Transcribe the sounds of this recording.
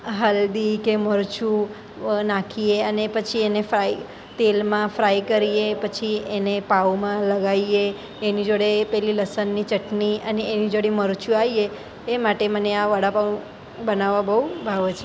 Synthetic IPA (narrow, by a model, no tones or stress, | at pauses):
ɦəld̪ikeməɾt͡ʃu | nãkʰieənepət͡ʃʰienefɾai | t̪elmãfɾaikəɾiepət͡ʃʰienepawmãləɡaieː | nid͡ʒoɽepɛɦliləsənːit͡ʃəʈniəneenid͡ʒoɽiməɾt͡ʃuaie | emaʈeməneaʋaɽapau | bənaʋabəubʱaʋt͡ʃʰe